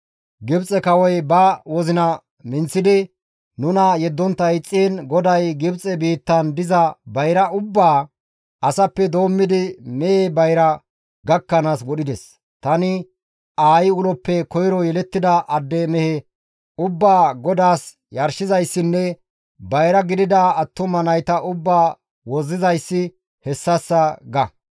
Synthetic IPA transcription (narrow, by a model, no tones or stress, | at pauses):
ɡɪbt͡sʼɛkɐwɔjbɐwɔzɪnɐ | mɪnt͡sːɪd̪ɪ | nʊnɐjɛd̪ːɔnt̪ːɐjɪt͡sʼːiːnɡɔd̪ɐjɡɪbt͡sʼɛbiːt̪ːɐnd̪ɪzɐbɐjɾɐʊbːaː | ʔɐsɐpːɛd̪o̞ːmːɪd̪ɪmɛebɐjɾɐ | ɡɐkːɐnaːswɔɗɪd̪ɛs | t̪ɐnɪ | ʔaːjɪʊlɔpːɛkɔjɾɔjɛlɛt̪ːɪd̪ɐʔɐd̪ːeːmɛhɛ | ʊbːaːɡɔd̪aːs | jɐɾʃɪzɐjsːɪnːɛ | bɐjɾɐɡɪd̪ɪd̪ɐɐt̪ːʊmɐnɐjt̪ɐʔʊbːaː | wɔzːɪzɐjsːɪ | hɛsːɐsːɐɡɐ